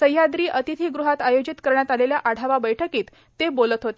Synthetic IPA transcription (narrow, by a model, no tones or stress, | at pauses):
səjːad̪ɾiːʔət̪it̪ʰiːɡɾuɦat̪ajod͡ʑit̪kəɾɳjat̪aleljaʔaɽ̤ʱaʋabəjʈʰəkiːt̪ːebolət̪ɦot̪e